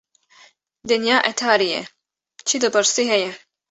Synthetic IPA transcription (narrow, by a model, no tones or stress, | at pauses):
d̪ɛnjaːʔɛt̪ʰaːɾijɛ̰ | t͡ʃʰid̪ɐbɨɾsiːɦɛjɛ